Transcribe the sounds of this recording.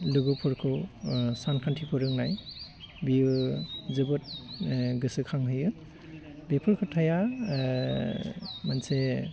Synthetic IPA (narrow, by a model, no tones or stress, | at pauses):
luɡɔpʰuɾkʰɯwsankʰantʰipʰɯɾɯŋnaj | bijuzɯbɯt̚ | ɡɯsɯkʰaŋɦɯjɯ | bepʰuɾkʰɯtʰaja | manse